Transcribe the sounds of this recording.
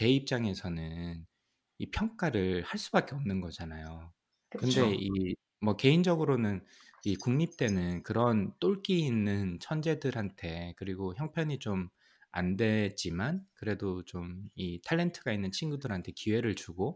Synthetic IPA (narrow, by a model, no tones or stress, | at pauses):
te̞ip̚t͡ɕ͈aŋe̞sʰʌnɯn | ipʰjʌŋk͈aɾɯɭhaɭs͈ubak͈e̞ʌmnɯnɡʌd͡ʑanajo | kɯnde̞i | mwʌke̞ind͡ʑʌɡɯɾonɯn | ikuŋɲip̚t͈e̞nɯnkɯɾʌnt͈oɭk͈iinːɯnt͡ɕʰʌnd͡ʑe̞dɯɾɦantʰe̞kɯɾiɡoçjʌŋpʰjʌɲit͡ɕom | a̰nde̞d͡ʑ͈imankɯɾe̞dot͡ɕomitʰaɭːe̞ntʰɯɡainːɯnt͡ɕʰinɡudɯɾɦantʰe̞kiwe̞ɾɯɭt͡ɕuɡo